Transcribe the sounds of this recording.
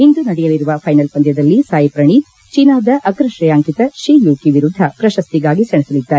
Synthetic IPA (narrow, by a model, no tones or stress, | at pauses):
ind̪unɐɽɛjɐliɾuʋɐpʰɐjnɐlpɐnd̪jɐd̪ɐlːisaːjipɾɐɳi | t͡ʃinaːd̪ɐʔɐkɾɐʃɾɐjaːŋkit̪ɐʃɾiːjuːkiʋiɾud̪ʱːɐpɾɐʃɐst̪iɡaːɡisɐɳɛsɐlid̪ːaːɾe